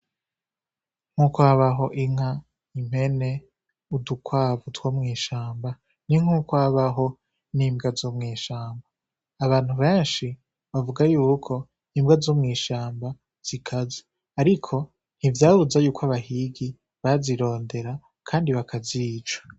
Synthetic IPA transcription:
ŋ̥hukwaβaɦo̞ʔiŋ̥ha | im̥he̞ne̞ | udukʰwaːvutwomŋiːʃaːmba | niŋ̥hukwaβaɦo̞ | niːmbɡazomŋiːʃaːmbaː | βaːn̥huβe̞ːnʃi | βavuɡajuːkʰo̞ | nimbɡazomŋiːʃaːmba | z̥ikʰaze | aɾikʰo̞ | n̥ivjaːβuzajuːkwaβaɦiɡi | βaziɾo̞ːnde̞ɾa | kʰaːndiβakʰaziːd͡ʒḁ

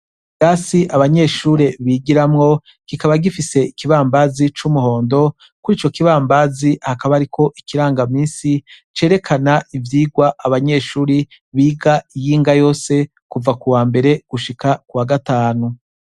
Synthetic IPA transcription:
ɡaːsiʔaβaɲe̞ʃuːɾe̞βiɡiɾamŋo̞ | kikaβaɡifise̞ikiβaːmbazit͡ʃumuho̞ːndo̞ | kuɾiːt͡ʃo̞kiβaːmbazihakaβaɾikʰo̞ʔikiɾaːŋɡamiːnsi | t͡ʃe̞ːɾe̞kʰanaʔivjiːɡwaʔaβaɲe̞ʃuːɾi | βiːɡaijiːŋɡajo̞ːse̞ | kuvakuwaːmbe̞ɾe̞ɡ̥uʃikakuwaɡataːnu

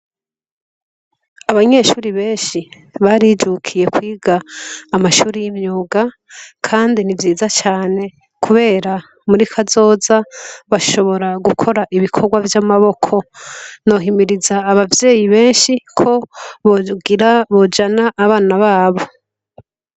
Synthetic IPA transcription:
aβaɲe̞ʃuːɾiβe̞ːnʃi | βaɾid͡ʒukʰije̞kwiːɡaːmaʃuːɾijimɲuːɡa | kʰaːndinivjiːzat͡ʃaːne̞ | kʰuβe̞ːɾa | muɾikʰazo̞ːzaβaʃo̞βo̞ɾaɡukʰo̞ɾaʔiβikʰo̞ɾɡwavjamaβo̞kʰo̞no̞ɦimiɾizaːβavje̞ːjiβe̞ːnʃikʰo̞βɡiɾaβo̞d͡ʒanaʔːβaːnaβaːβo̞

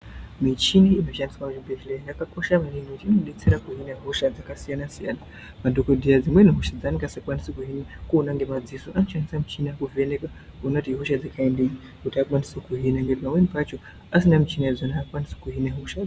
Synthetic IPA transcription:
mit͡ʃiniːnot͡ʃandiswamuibeʃlejakako̞ʃamaninokutiinoɗet͡seɾakuɦinaɦoʃad͡zakasijanasijana | madokodʱijad͡zimweniɦoʃad͡zanikɡasakwanisekuɦinikuːnaŋɡemad͡zisoʔanot͡ʃanisam̩ut͡ʃinakuveneka | ɦunatiɦoʃad͡zakaendei | kutiakwanisekuɦinaŋɡetipamwenipat͡ʃo | asinamit͡ʃiniad͡zanaːkwanise̥kuɦinaɦoʃa

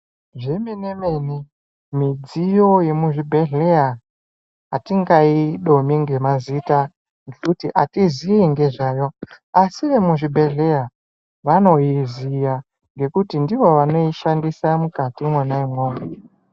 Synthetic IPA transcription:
ʐeminemeni | mid͡zijo̞je̞muʐibʱeɮeja | ɦatiŋɡaiɗo̞miŋɡe̞mazita | ŋɡekutiʔatiziiŋɡe̞ʐaːjo̞ | asiʋe̞muʐibʱe̞ɮe̞ja | ʋano̞jizija | ŋɡe̞kutindiʋo̞ʋano̞iʃandisamukatimwenaimwoːme

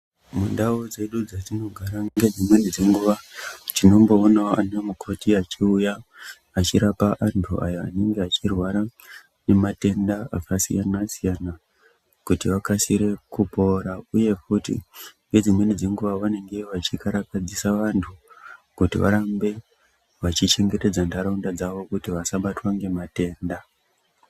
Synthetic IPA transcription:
mundaod͡ze̞ɗud͡zatino̞ɡʱaɾaŋɡe̞d͡zimwe̞nid͡zeŋɡuʋatino̞mbo̞ːnaoa̰namukʰo̞tiat͡ʃiujaː | t͡ʃiɾapaʔantʰuʔa̰joa̰ne̞ŋɡeat͡ʃirwaɾa | ne̞mate̞ndaakasijanasijana | kutiʋakasiɾe̞kupo̞ɾauje̞futḭŋɡe̞d͡zimwe̞nid͡zeŋɡuʋawane̞ŋɡe̞ʋat͡ʃikaɾakad͡zisaʋantʰukutḭʋa̰ɾambe̞ | ʋat͡ʃit͡ʃe̞ŋɡe̞te̞d͡zandaɾaundad͡zaʋo̞kutiʋasaɓatwaŋɡe̞mate̞ːnda

